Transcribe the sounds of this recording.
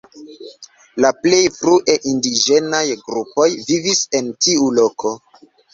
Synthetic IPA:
laple̞jfɾuʔe̞ʔindid͡ʒe̞najɡɾupo̞jvivise̞ntiulo̞kʰo̞

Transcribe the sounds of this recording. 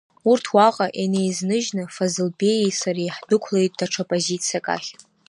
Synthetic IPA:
urtʰwaqʼaʔenejznɨʒnɨfazɨlbe̞jisaɾiħd̥ɨkʷʰlejtʼdaʈ͡ʂʰapʼozit͡sʰijakʼa̰χʲ

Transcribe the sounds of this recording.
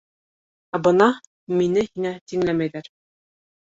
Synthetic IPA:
æbɤ̆nɑ | minɘhiŋæt̪iŋlæmæjðæɾ

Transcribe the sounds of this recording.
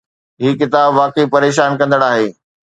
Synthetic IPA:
ɦiːkɪt̪aːbʋaːkəipɐɾeːʃ̬aːnkɐ̃nd̪əɽ̃aːɦeː

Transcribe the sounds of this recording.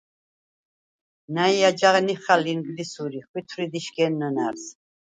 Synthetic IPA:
naiad͡ʒaʁniχaliŋɡlisuɾiχwit̪ʰɾid̪iʃɡɛnːənaɾs

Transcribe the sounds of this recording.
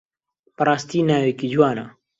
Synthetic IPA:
pɐɾaːst̪iːnaːwekid͡ʒuwaːna̰

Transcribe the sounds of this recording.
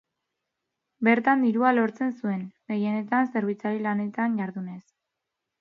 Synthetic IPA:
be̞ɾt̪and̪iɾualo̞ɾt͡se̞nsue̞nɡe̞je̞ne̞t̪anse̞ɾβ̞it͡saɾilane̞t̪anɟaɾðune̞s

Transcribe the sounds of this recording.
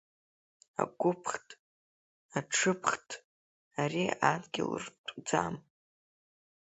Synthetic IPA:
a̰ɡʷʊpʰχtʼ | aʈ͡ʂʰɨpʰχtʼ | aɾiadɡʲɪlɨrtʼd͡zam

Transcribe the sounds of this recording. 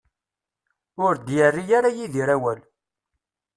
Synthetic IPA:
ʊɾd̪jərːijaɾajiðiɾæwæl

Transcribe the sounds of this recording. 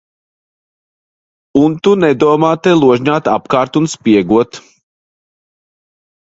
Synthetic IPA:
unt̪unɛd̪uɔmaːt̪ɛlˠuɔʒɲaːt̪a̰pkaːɾt̪unspiɛɡuɔt̪

